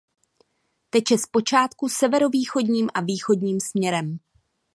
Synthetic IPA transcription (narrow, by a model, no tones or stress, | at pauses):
t̪ɛcjɛspo̞t͡ʃaːt̪kusɛvɛɾo̞viːxo̞dɲiːmʔaviːxo̞dɲiːmsmɲɛɾɛm